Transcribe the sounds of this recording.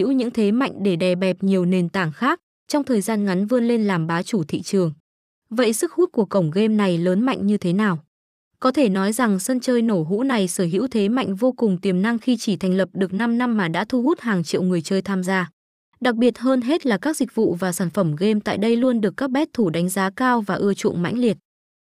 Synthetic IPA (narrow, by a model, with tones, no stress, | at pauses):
ḭ˧˥wɲɨ̰˧˥ŋt̪ʰe˨˦ma̰˧˨jŋ̟ɗe˧˩ɗɛ˨˩ɓɛ˨˩p̚ɲi˨˩əwne˨˩nt̪aː˧˩ŋxaː˦˥k̚ | t͡ɕɔ˧wŋ͡mt̪ʰəː˨˩jzaː˧nŋa˨˦nvɨ˧ənle˧nlaː˨˩mɓaː˨˦t͡ɕu˧˩t̪ʰḭ˧˨t͡ɕɨ˨˩əŋ | və̰˧˨jsɨ˦˥k̚hu˦˥t̚ku˧˩əkə˧˩wŋ͡mɣe˧mna˨˩jləː˨˦nma̰˧˨jŋ̟ɲɨ˧t̪ʰe˨˦naː˨˩w | kɔ˨˦t̪ʰe˧˩nɔ˨˦jza˨˩ŋsə˧nt͡ɕəː˧jno˧˩ɦṵ˧˥na˨˩jsəː˧˩ɦḭ˧˥wt̪ʰe˨˦ma̰˧˨jŋ̟vo˧kʊ˨˩ŋ͡mt̪i˨˩əmna˧ŋxi˧t͡ɕi˧˩t̪ʰɛ˨˩ŋ̟lə˨˩p̚ɗɨ˨˩ək̚na˧mna˧mːaː˨˩ɗa̰ː˧˥t̪ʰu˧hu˦˥t̚haː˨˩ŋt͡ɕḭ˧˨wŋɨ˨˩əjt͡ɕəː˧jt̪ʰaː˧mzaː˧ | ɗa˨˩k̚ɓi˨˩ət̚ɦəː˧nɦe˦˥t̚laː˨˩kaː˦˥k̚zï˨˩k̟̚vṵ˧˨vaː˨˩saː˧˩nfə˧˩mɣe˧mt̪a̰ː˧˨jɗə˧jlu˧ənɗɨ˨˩əkːaː˦˥k̚ɓɛ˦˥t̚t̪ʰːu˧˩ɗa˨˦ŋ̟zaː˨˦kaː˧wvaː˨˩ʔɨ˧ət͡ɕṵ˧˨nma̰˧˥jŋ̟li˨˩ət̚